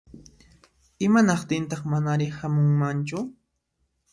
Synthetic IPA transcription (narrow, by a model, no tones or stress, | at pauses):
ɪmanɑχt̪ɪnt̪ɑχmanaɾɪhamʊŋmant͡ʃʊ